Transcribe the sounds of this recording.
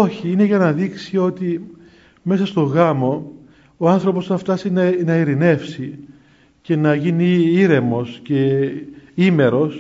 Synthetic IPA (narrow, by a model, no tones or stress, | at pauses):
o̞çiine̞ʝɐnɐðiksio̞t̪i | me̞sɐst̪o̞ɣɐmo̞ | oɐnθɾo̞po̞sθɐft̪ɐsinɐnɐiɾine̞fsi | ce̞nɐʝiniiɾe̞mo̞sce̞ | ime̞ɾo̞s